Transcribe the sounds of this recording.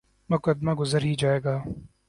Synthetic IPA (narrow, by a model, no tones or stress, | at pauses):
mʊkəd̪maɡʊzəɾɦid͡ʒaːeːɡaː